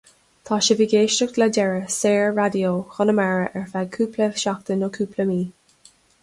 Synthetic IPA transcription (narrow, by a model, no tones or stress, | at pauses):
t̪ʰɑːʃəviːɡeːʃtəkd̪ladɛɹəseːɹɹad̪ioːxɔnəmaɹəʔɛɹfaɡ̚kʰuːpʰləʃak̚t̪ənokʰuːpʰləmiː